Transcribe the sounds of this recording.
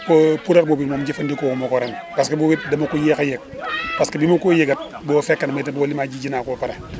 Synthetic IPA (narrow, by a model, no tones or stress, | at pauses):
popuɾek̚bobitmomd͡ʒifandikokumokoɾenpaskebobit̚damokujekajek̚paskedimokojeɡat̚ | bofekːanmatibolimad͡ʒid͡ʒinaːkopaɾe